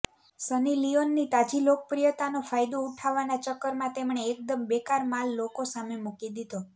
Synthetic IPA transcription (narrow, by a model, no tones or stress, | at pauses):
sənilionːit̪ad͡ʒilok̚pɾijət̪anofajd̪ouʈʰaʋanat͡ʃəkːəɾmãt̪emɳeːk̚d̪əmbekaɾmalːokosamemukid̪id̪o